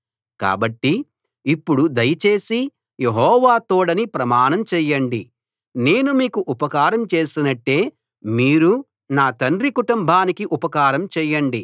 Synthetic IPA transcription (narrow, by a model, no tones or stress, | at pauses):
ka̰ːbɐʈːiː | pːuɽud̪ɐjɐt͡ʃe̞ːsi | jeɦɔːʋaːt̪oːɽɐnipɾɐmaːɳɐmt͡ʃɛːjɐɳɖi | ne̞ːnumiːkuʔupɐkaːɾɐmt͡ʃe̞ːsinɐʈːe̞ː | miːɾu | naːt̪ɐnɾikuʈumbʱaːnikiʔupɐkaːɾɐmt͡ʃɛːjːɐɳɖi